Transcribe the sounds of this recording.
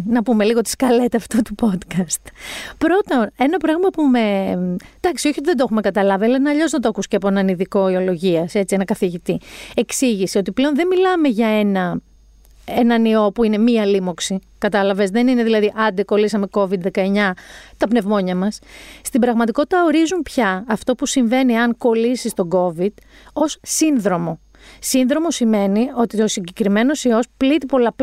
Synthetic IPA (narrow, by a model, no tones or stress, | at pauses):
nɐpume̞liɣo̞t̪i̥skɐle̞t̪eɐft̪ot̪upo̞t̪kɐst̪pɾo̞t̪one̞nɐpɾɐɣmɐpume̞d̪̥ɐksio̞çiot̪ðed̪oxume̞kɐt̪ɐlɐviɐlɐinɐʎo̞znɐt̪okusceɐpoenɐniðiko̞io̞lo̞ʝiɐse̞t͡sienɐkɐθiʝit̪ie̞ksiʝisio̞t̪iple̞o̞nðe̞milɐme̞ʝɐe̞nɐ | enɐnio̞puine̞miɐlimo̞ksi | kɐt̪ɐlɐve̞zðe̞nine̞ðilɐðiʔɐnd̪eko̞lisɐme̞ko̞vid̪ðe̞kɐe̞ɲɐt̪ɐpne̞vmo̞ɲɐmɐsst̪ibɾɐɣmɐt̪iko̞t̪it̪ɐo̞ɾizumpçɐːft̪o̞pusiɱve̞niɐŋko̞lisist̪o̞ɡo̞vid̪̥ | o̞ssinðɾo̞mo̞ | sinðɾo̞mo̞sime̞nio̞t̪io̞siɲɟekɾime̞no̞sio̞split̪ipo̞lɐp